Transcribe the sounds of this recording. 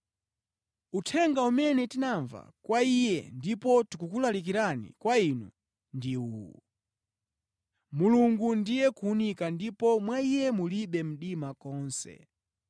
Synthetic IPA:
utʰɛŋɡaumɛnɛtinaɱva̰kwaijɛ̰ndipɔtikukulalik̬iɾanḭkwainṵ | ndiuṵ | muluŋɡundijɛkuːnikandipɔmwaijɛmuliɓɛm̩ɗimakɔːnsɛ̰

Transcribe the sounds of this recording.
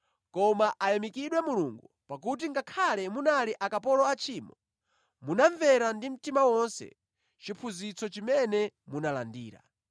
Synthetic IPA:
kɔmaʔajamikiɗwɛmuluŋɡupak̬ut̬iŋɡakʰalɛmunaliʔakapɔlɔat͡ʃʰiːmɔ | munaɱvɛɾandim̩timawɔnsɛ̰ | t͡ʃipʰuzit͡sɔt͡ʃimɛnɛmunala̰ndiːɾa̰

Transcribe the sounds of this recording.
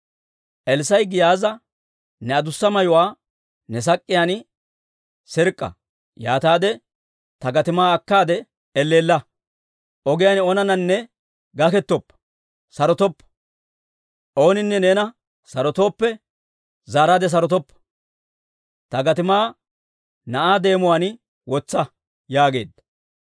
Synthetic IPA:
ʔɛlsɐjɡɪjaːzɐ | nɛɐd̪ʊsːɐmɐjʊwaː | nɛs̬ɐkʼːɪjaːnɪ | sɪɾkʼːɐ̰ | ja̰ːt̪aːd̪ɛ | t̪ɐɡɐt̪ɪmaːɐkːaːd̪ɛ | ɛlːeːlːɐ | ʔɔɡɪjaːnɔnɐnɐnːɛ | ɡɐkɛt̪ːɔpː | sɐɾɔt̪ɔpːɐ̥ | ʔo̞ːnɪnːɛne̞ːnɐ | sɐɾɔt̪o̞ːpːɛ | zaːɾaːd̪ɛs̬ɐɾɔt̪ɔpːɐ̥ | t̪ɐɡɐt̪ɪmaː | nɐʔaːd̪e̞ːmʊwan | wɔt͡sːɐ | jaːɡe̞̰ːd̪ɐ

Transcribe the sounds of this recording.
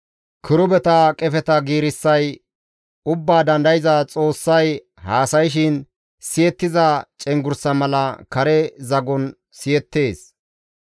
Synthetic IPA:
kʰɪɾʊbɛt̪ɐkʼɛfɛt̪ɐɡiːɾɪsːɐj | ʊbːaːd̪ɐnd̪ɐjɪzɐt͡sʼo̞ːsːɐj | haːsɐjʃ̬ɪn | sɪjɛt̪ːɪzɐt͡ʃʼɛŋɡʊɾsɐmɐlɐkɐɾɛzɐɡɔn | sɪjɛt̪ːe̞ːs

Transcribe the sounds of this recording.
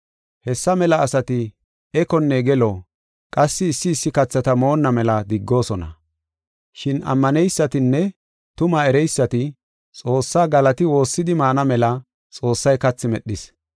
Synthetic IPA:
hɛsːɐmɛlɐːsɐt̪ɪ | ɛkɔnːeːɡɛlo | kʼɐsːɪːsːɪːsːɪkɐt͡sːɐt̪ɐmo̞ːnːɐmɛlɐd̪ɪɡːo̞ːsɔnɐ̰ | ʃɪnʔɐ̰mːɐnɛjsːɐt̪ɪnːɛ | t̪ʊmɐɛɾɛjsːɐt̪ɪ | t͡sʼo̞ːsːaːɡɐlɐt̪ɪwo̞ːsːɪd̪ɪmaːnɐmɛlɐ | t͡sʼo̞ːsːɐjkɐt͡sːɪmɛɗːɪs

